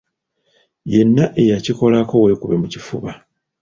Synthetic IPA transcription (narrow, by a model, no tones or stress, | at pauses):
je̞nːaʔejaciko̞lako̞we̞kuβe̞mucifuβa